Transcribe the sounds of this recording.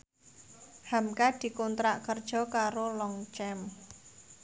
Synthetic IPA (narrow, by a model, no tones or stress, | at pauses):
hamkad̪̥i̤kont̪ɾaʔkərd̥ʒ̥ɔ̤kaɾolɔŋt͡ʃɛm